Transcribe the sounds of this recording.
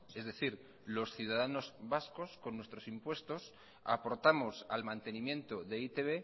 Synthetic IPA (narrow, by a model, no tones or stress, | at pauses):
e̞zðe̞θiɾ | lo̞sθjuð̞aðano̞zβasko̞sko̞nːwest̪ɾo̞simpwe̞st̪o̞s | a̰po̞ɾt̪amo̞sa̰lmãnt̪e̞nĩmjẽ̞nt̪o̞ðe̞it̪eβ̞e̞